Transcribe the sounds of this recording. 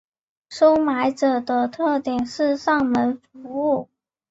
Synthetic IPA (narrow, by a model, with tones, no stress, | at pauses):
ʂo˥ʊma˧˥ɪʈ͡ʂɤ˨˩d̪ə˦t̪ʰɤ˥˩t̪jɛ˨˩nʂɻ̩˥˧ʂɑ˥˩ŋmə˧˥nfu˥u˥˩